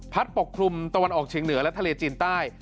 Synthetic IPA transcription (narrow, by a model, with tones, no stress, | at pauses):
pʰa˦˥t̪̚po˨˩kʰːɾu˧mt̪a˧wa˧nʔɔː˨˩k̚t͡ɕʰiː˧əŋnɯ˩˦ɐlɛ˦˥t̪ʰa˧leː˧t͡ɕiː˧nt̪aː˥˩j